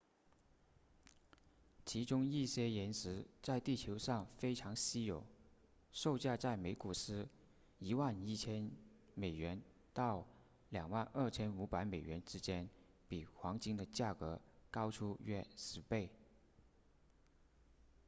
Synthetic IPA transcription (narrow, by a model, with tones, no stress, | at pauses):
t͡ɕʰi˧˥ʈ͡ʂʊ˥ŋi˥˩ɕjɛ˥jɛ˧˥nʂɻ̩˧˥t͡sa˥˧ɪt̪i˥˩t͡ɕʰjo˧˥ʊʂɑ˥˩ŋfe˥ɪʈ͡ʂʰɑ˧˥ŋɕi˥jo˨˩˦ʊ | ʂo˥˧ʊt͡ɕja˥˧t͡sa˥˩ɪme˧˥ɪku˨˩ʂ̩˥ | i˧˥wa˥˩ni˥˩t͡ɕʰjɛ˥n | me˨˩ɪɥɛ˧˥n | t̪ɑ˥˩ʊ | ljɑ˨˩ŋwa˥˧nʔə˥˩t͡ɕʰjɛ˥nu˧˥pa˧˥ɪme˨˩ɪɥɛ˧˥nʈ͡ʂɻ̩˥t͡ɕjɛ˥n | pi˨˩xwɑ˧˥ŋt͡ɕi˥ŋd̪ə˨t͡ɕja˥˩kɤ˧˥kɑ˥ʊʈ͡ʂʰu˥ɥɛ˥˧ʂɻ̩˧˥pe˥˩ɪ